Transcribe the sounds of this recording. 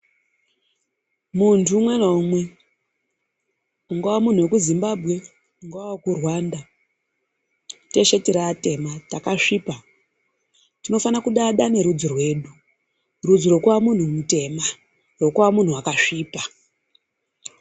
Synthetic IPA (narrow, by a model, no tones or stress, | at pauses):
muntʰumwe̞naumwe̞ | uŋɡawamun̤uwekuzimbabʱɣe̞ | uŋɡuwawokurwanda | te̞ʃe̞tiɾate̞matakaʂiːpa | tino̞fanakuɗaɗane̞ɾud͡zirwe̞ːɗu | rud͡ziɾo̞kwamun̤umute̞ma | ro̞kuwamun̤uwakaʂiːpa